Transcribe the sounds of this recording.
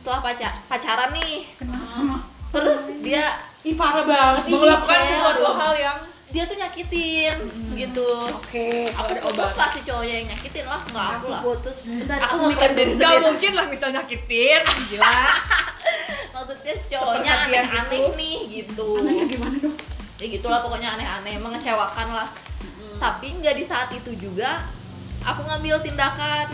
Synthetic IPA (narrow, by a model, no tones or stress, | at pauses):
sət̪əlahpat͡ʃapat͡ʃaɾanːɪhkənamat̪əɾʊsdia | ipaɾabaŋət̪alakansəsuat̪uaɦaljaŋ | diat̪uɲakit̪ɪnɡit̪uokeapaot̪ʊspast̪it͡ʃoɔɲajaŋɲakit̪ɪnlahŋaakula̰hot̪ʊsbəaakamaadɡamuŋkɪnlahmisalɲakit̪ɪnɡil | nat̪ʊt̪̚ɲḁt͡ʃooɲaanɛaanɛknɪhɡit̪uɡimanadjaɡit̪ulahpokoɲaːnɛɦanɛməŋət͡ʃewakanlah | t̪apiŋɡadisaʔːt̪it̪ud͡ʒuɡa | ʔakuŋambɪlt̪indakan